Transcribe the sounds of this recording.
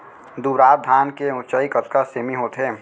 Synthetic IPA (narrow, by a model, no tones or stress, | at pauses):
d̪uɾaːt̪̚d̪ʱaːnkeʊ̃t͡ʃaikət̪kaseːmiɦoːt̪ɦe